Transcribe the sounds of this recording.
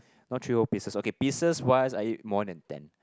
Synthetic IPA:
nɔtʰɹiopisəsokepisəswasajimɔdɛ̃ntɛ̰̃n

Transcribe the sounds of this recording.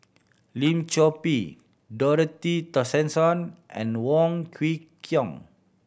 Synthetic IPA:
lĩmt͡ʃɔpi | dɔɾət̪it̪ɔsɛ̃nsɔ̃nʔɛ̰̃nwɔ̃ŋkʰwikʰjɔ̃ŋ

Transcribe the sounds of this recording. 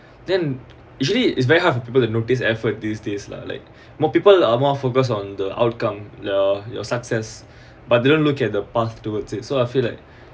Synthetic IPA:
dɛ̃n | jut͡ʃəliɪ̰ts̬vɛɹiɦadfɔpipəltunotis̬ɛfət̚disdesla̰la̰ɪk̚ | mɔpipəlamɔfokəs̬ɔ̃ndəʔa̰ʊt̚kãmlɔjɔ̰saksɛs | bat̚dedõnlukɛt̚dəpaθtuətsisoaɪfilaɪk̚

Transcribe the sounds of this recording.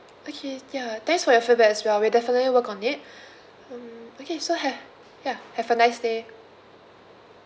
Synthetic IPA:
okʰejat̪ɛ̃ŋksfɔjɔfebəɛswɛwidɛfənətliwəkɔ̃nɪt̚ | ʌ̃mokʰesoɦɛ | jahɛvənaɪsde

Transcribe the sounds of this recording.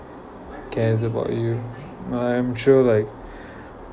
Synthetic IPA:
aɪkʰɛːzəba̰ʊt͡ʃɨ | aɪ̃mʃɔːlaɪk

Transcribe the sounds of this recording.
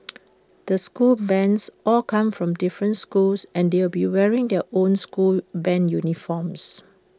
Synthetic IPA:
d̪̥əskulbɛ̃nsɔlkʰãmfɹɔ̃mdɪfɹə̃ntskulsɛ̃ndewlbiwɛɹĩŋdɛʔõnskulbɛ̃njunifɔms

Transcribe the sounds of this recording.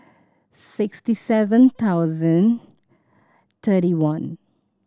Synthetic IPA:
sɪkstisɛvə̃nt̪ʰaʊzə̃n | t̪ʰəʈiwãn

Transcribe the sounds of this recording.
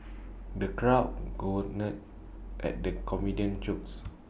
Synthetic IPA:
dəkɹaʊʔ̚ɡoənɛt̚ | ʔɛ̰t̚dəkʰɔmidiə̃nt͡ʃuk̚s

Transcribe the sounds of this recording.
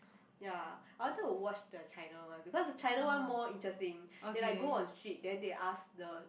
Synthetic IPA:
jaaɪwɔ̃ntɛtːuwɔt͡ʃdət͡ʃaɪnawãnbikɔsdət͡ʃajnawãnmɔĩntɹɛstĩŋɛ̃nlajɡoɔ̃nstɹit̚dɛ̃ndeʔasdə

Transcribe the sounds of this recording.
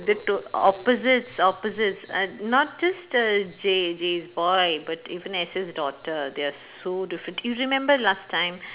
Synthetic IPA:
d̪əʈoɔ̰pəzɪʈsɔpəzɪʈsnɔʈ̚d͡ʒʌsʈəd͡ʒed͡ʒeːzbɔɪbɐʈiːʋə̃nɛsɪzɖɔːʈəɾd̪easoːɖɪfɾə̃ɳʈjuːɾɪmɛ̃mbəɾlaːsʈʰːãɪ̃m

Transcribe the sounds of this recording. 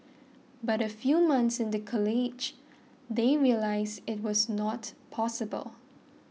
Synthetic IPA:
baɾəfjumãnθsɪ̃ndəkʰɔlid͡ʒ | d̪eɹiəlaɪzɪt̚wɔznɔtpʰɔsəbə̰lˠ

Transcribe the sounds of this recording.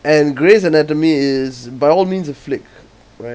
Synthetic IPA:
ɛ̃nɡɹesɛ̃nɛt̬əmiɪzbaɪɔlmĩːnsɔv̥flɪk | ɹa

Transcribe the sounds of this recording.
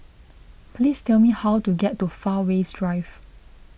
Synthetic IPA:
pʰlistɛlmihawtuɡɛtːufawesdɹaɪv

